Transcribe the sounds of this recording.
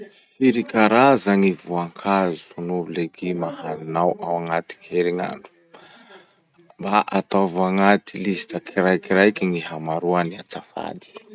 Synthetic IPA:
fiɾikaɾazaŋivuaŋkʰazunubuleɡimahaninawʔawaŋat̪i̥ŋiheɾiŋa̰ɳɖ͡ʐu̥ | mbaʔat̪avaŋat̪ilisi̥t̪akiɾajkiɾajkʲiŋiɦamaɾuaniat͡safa̰d̪i̥

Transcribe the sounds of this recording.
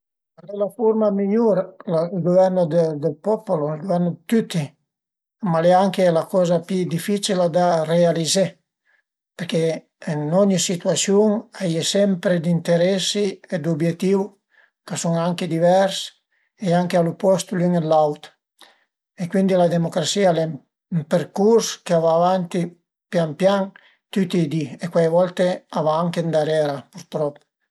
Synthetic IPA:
alelafuɾmamiʎuɾlailɡovɛɾnod̪əd̪əlpɔpoloilɡovɛɾnod̪t̪yt̪i | malɛaŋkelakɔzapid̪ifit͡ʃilad̪arealize | peɾkeː | nɔɲisit̪ɥasjuŋajesɛmpɾed̪int̪eɾɛsied̪ubjet̪ːiw | kasuŋaŋked̪ivɛɾs | eaŋkealupɔst̪ulyŋelawt̪ | ekwind̪ilad̪emokɾasiale | mpeɾkuɾskeavaːvant̪i | pjampjaŋ | t̪yt̪id̪iekwajvɔlt̪eavaaŋkend̪aɾɛɾapuɾt̪ɾɔpː

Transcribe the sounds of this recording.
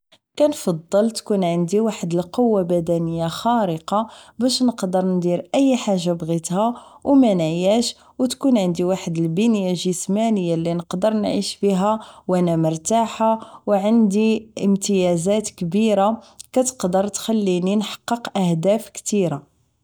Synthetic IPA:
kænfɑd̪ˤːəlt̪kunʕənd̪iwaħəd̪əlqowːabæd̪ænəjːaxɑɾəqɑbæʃnəqd̪əɾˤnd̪iɾʔəjːħaʒːabɣit̪hæwmænæjæʃ | wt̪kunʕənd̪iwaħəd̪əlbənjaʒəsmænəjːalːinəqd̪əɾˤnʕiʃbiɦæwʔænæməɾt̪aħawʕənd̪iəmt̪əjæzæt̪kbiɾakæt̪ə̥qd̪əɾˤt̪xælːininħɑ̥qːəqʔæhd̪æfkt̪iɾa

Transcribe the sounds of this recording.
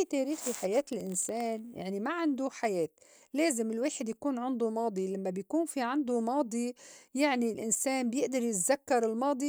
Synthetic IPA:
it̪eːɾiːxiħajeːt̪ɪlʔɪnseːnja̰ʕnimaʕɪnd̪uħajeːt̪ | leːzɪmɪlweːħɪd̪jakuːnʕɪnd̪umɑːd̪ˤilamːabjkuːnfiʕand̪umɑːd̪ˤijaʕnilʔɪnseːnbjɪʔd̪ɑɾjɪt̪zakːɑɾˤɪlmɑːd̪ˤi

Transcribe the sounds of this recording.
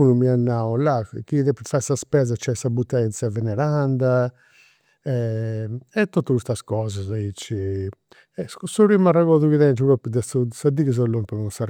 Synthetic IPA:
unumianːaɔlakiðɛpːɾfasaspɛzat͡ʃɛsabut̪ːɛnt̪sjavɛnɛɾand̪a | ɛ | ɛt̪ːot̪ːukust̪askɔːzazait͡ʃːi | ɛsɔɾimarɛɣɔðuɣiðɛnd͡ʒiɾɔpːd̪ɛsusad̪iɣəz̬alːɔnpɔɣɔsar

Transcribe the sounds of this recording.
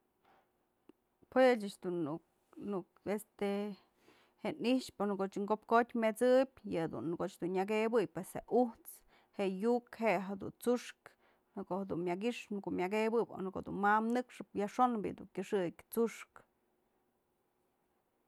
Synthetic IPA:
pwet͡ʃɨt͡ʃd̪unu | nukest̪e | heʔniʂponɨkot͡ʃɨŋkop̚kot̪ʲmet͡sɨbʲjɨhd̪ṵnːkoʔt͡ʃd̪unɲaɡebɨjpwesheuht͡s | heʔjukheʔɦed̪ṵnt͡suʂk | nɨkohed̪unmʲaɡiʂnɨkomʲaɡebɨbo̰nkod̪ṵnmamnɨkʂɨp̚jaʂonbḭd̪ṵŋkʲɨʂɨkʲt͡suʂk

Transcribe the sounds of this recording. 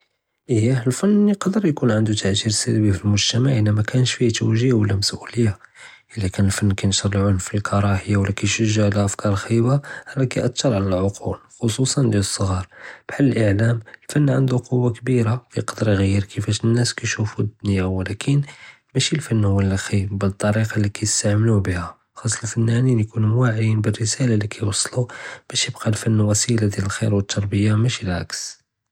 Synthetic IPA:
ʔəhaəlfənːiqɑd̪əɾjkunʕənd̪ut̪ʰaʕt̪iɾsælbifilmʊʒt̪əmaʕʔənːæmækʰænəʃfiht̪uwʒəjːawəlːæməsʔuləjːa | ʔəlːækænəlfənːkæjnʃəɾˤəlʕʊlfilkʰɑɾˤɑħəjːawəlːækæjʃəʒːaʕlæʔəfkɑɾˤlxibahlækæjʔæt̪ːɑɾˤʕalælʕoqʰulxosusˤɑnd̪jæləsˤːəɣɑɾˤb̥ħalːəlʔəʕlæməlfænːʕənd̪uqʰowːakbiɾakæjqɑd̪əɾɣijːəɾkʰəfæʃənːæskæjʃufud̪ːʊnjawlækʰən | mæʃilfænːhʊwːəlːæxibbət̪ˤːɑɾiqɑlːikæjəst̪aʕməlubəhæ | xɑsˤːlfænːæninjkunumwaʕjinbərːəsælalikʰæjwɑsˤːlub̥æʃjəbqɑlfænːwæsilad̪jæləlxḭɾwət̪ʰˤːɑɾˤbəjːamæʃilʕa̰ks

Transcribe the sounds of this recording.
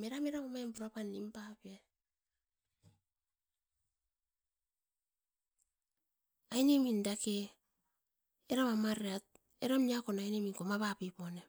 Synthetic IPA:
meɾameɾaβamampuɾapanimpapie | ajnimindake | ɾaβamaɾat̚ | ḛɾamiakonajnimiŋkomaβapipone

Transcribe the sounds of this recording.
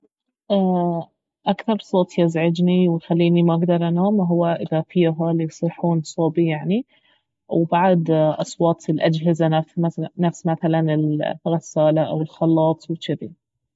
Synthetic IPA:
ʔa | ʔakθɑɾˤsˤoːt̪ˤjɪzʕɪd͡ʒniwɪxalːiːnimaʔaɡd̪ɑɾˤʔanaːmɦʊwːaʔɪðafiːɦalijsˤiħuːnsˤoːbijaʕni | wɪbaʕd̪ʔɑsˤwɑːt̪ˤɪlʔad͡ʒɦɪzanamanafsmaθalanɪlɣɑsaːlaʔawɪlxɑlːɑːt̪ˤwɪkɪd̪i

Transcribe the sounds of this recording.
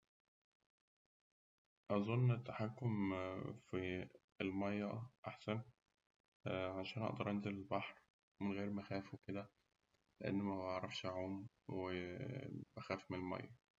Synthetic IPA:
ʔæzˤonːet̪ːaħakːomfi | elmɑjːɑʔaħsæn | ʕaʃæːnʔɑ̰ʔd̪ɑɾˤʔænzelelbɑħɾ | menɣeːɾmæxæːfuwked̪æ | leʔḛnːmæbbɑʕɾˤɑfʃʕoːm | we | b̥æxæːfmenelmɑ̰jːɑ

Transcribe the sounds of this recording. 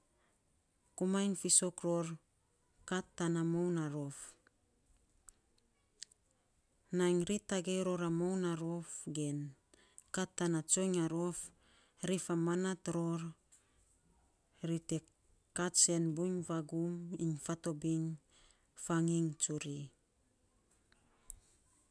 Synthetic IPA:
kumajnfiso̞kɾo̞ɾ | katːanamownaɾo̞f | najŋɾitaɡejɾo̞ɾamownaɾo̞fɡe̞n | katːanat͡ʃo̞jŋaɾo̞f | ɾifamanatɾo̞ɾ | ɾite | kat͡ʃe̞nbuɲfaɡumiɲfato̞biŋ | faŋiŋt͡ʃuɾi

